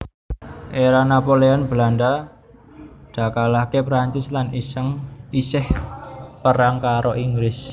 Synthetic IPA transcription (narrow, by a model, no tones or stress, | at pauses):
ʔeɾanapoleɔnbəlanɖa | ɖ̪̥a̤kalakepɾaɲt͡ʃɪslanisəŋisɪhpəɾaŋkaɾoʔiŋɡlɪs